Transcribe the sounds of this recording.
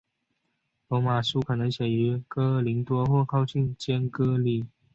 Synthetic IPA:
lɔ˧˥ma˨˩su˥kʰɤ˨˩nə˧˦ŋɕjɛ˨˩y˧˥kɤ˥li˧˥ŋt̪wɔ˥xwɔ˥˧kʰɑ˥˧ʊt͡ɕi˥˩nt͡ɕjɛ˥nkɤ˥li˨˩

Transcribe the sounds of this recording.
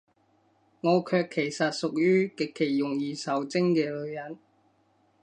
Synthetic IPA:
ŋɔː˨˧kʰœː˧kʰːe˨˩jsɐ˨t̚sʊ˨k̚jyː˥kɪ˨kʰːe˨˩jjʊ˨˩ŋjiː˨˧sɐ˨˥wt͡sɪ˥ŋkɛː˧lɵ˨˧ɥjɐ˨˥n

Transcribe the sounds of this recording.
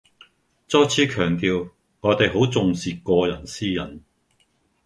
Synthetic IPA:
t͡sɔː˥jt͡sʰiː˨˥kʰœː˨˩ŋt̪iː˧w | ŋɔː˨˧˥t̪e˨jɦo˨˥wt͡sʊ˨ŋsiː˨kɔː˧jɐ˨˩nsiː˥jɐ̰˨˩n

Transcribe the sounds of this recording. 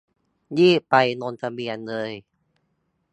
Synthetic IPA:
jiː˥˩pa˧jno˧nt̪ʰa˧bi˧ənlɤː˧j

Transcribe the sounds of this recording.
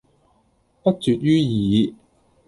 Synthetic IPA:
pɐ˥t̚t͡syː˨t̚jyː˥jiː˨˦

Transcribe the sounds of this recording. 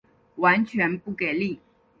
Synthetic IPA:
wa˧˥nt͡ɕʰɥɛ˧˥npu˥˩ke˨˩ɪli˥˩

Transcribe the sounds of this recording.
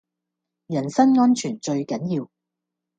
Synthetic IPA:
jɐ˨˩nsɐ˥nŋɔː˥nt͡ʃʰyː˨˩nt͡ʃɵ˧ɥkɐ˨˥njiː˧w

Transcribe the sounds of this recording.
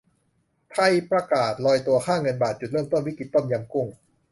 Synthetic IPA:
t̪ʰa˧˩jpɾa˧kaː˨˩t̪̚lɔː˧jt̪u˧ɐkʰaː˥˩ŋɤ˧nbaː˨˩t̪̚t͡ɕu˨˩ɾɯː˥˩˨mt̪o˥˩nwi˦˥ki˨˩t̪ːo˥˩nja˧mku˥˩ŋ

